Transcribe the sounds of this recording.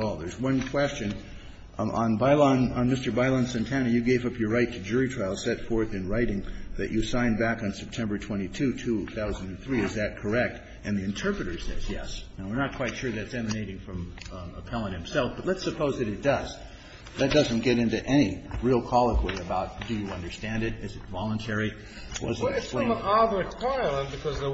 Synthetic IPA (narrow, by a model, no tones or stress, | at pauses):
ɔlˠðə˞zwʌ̃nkʰw̥ɛst͡ʃɨ̃n | ə̃nbaɪlˠɑ̃nə̃nmɪstə˞baɪlˠɑ̃nsɨ̃ntʰænɨjɨɡeɪvʌpjə˞ɹaɪtʰɨd͡ʒʊɹitʰɹ̥aɪlˠsɛtfɔɹθɨ̃nɹaɪɾɪ̃ŋðɨ̰t͡ʃɨsãɪ̃nbækn̩sɛp̚tʰɛ̃mbə˞tʰw̥ɛ̃ɾ̃itʰʉtʰʉθaʊzndɨ̃nθɹiɨzðɨt̚kʰə˞ɛk̚t | ʔɨ̃nðiɨ̃ntʰɜ˞pɹɨɾə˞sɛ̰zjɛ̰snoʊwə˞nət̚kʰw̥aɪtʃʊɹðætsɛmɨneɪɾɪ̃ŋfɹʌ̃məpʰɛlˠə̃nhɨ̃m̩sɛlˠfb̥ʌtˡlətsɨpʰoʊzðɨɾɨt̚d̥ʌz | ðɨt̚d̥ʌzɨ̃n̩ɡ̥ɛɾɪ̃ntʉʔɛñiɹilˠkʰɑlˠəkʰweɪɨbaʊt̚d̥ɨjɨʌ̃ndə˞stæ̃ndɨɾɨzɨtvɑlˠə̃ntʰɛɹi | wʌ̰zɨ̃ɨsplẽɪ̃ɑðə˞tʰaɪlˠə̃nbɨkʰʌz